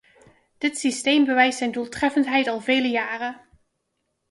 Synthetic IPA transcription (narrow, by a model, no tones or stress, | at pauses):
d̥ɪtsistejmbəʋɛjstsɛjndulˠtrɛfəntɦɛjtɑlˠveːləjaːrə